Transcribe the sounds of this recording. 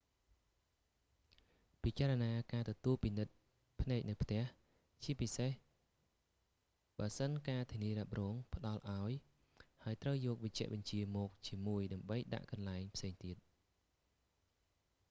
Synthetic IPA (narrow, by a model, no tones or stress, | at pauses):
pit͡ɕaːɾɑnaːkaːt̪ɔt̪uəlpinɨt̪̚ | pʰnaɛk̚nɨwpʰt̪ɛ̆əh | t͡ɕiəpiseh | ɓaəsənkaːt̪ʰiəniəɾɛ̆ap̚rɔːŋpʰə̆ɗɑlʔaɔj | haəjt̪rəwjɔːk̚ʋəc̚t͡ɕɛ̆əʔɓɑɲt͡ɕiəmɔːk̚t͡ɕiəmuəjɗaəmɓəjɗa̰ʔkɑnlaɛŋpʰseːŋt̪iət̪̚